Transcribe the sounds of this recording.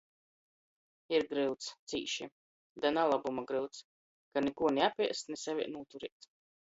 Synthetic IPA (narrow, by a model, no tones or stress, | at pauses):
iɾɡɾɨlwt̪st̪sḭːʃi | d̪analˠabumaɡɾɨwt̪s | kanɛkuɔnʲɛapʲiɛsnɛsavʲḭɛnuːt̪uɾiːt̪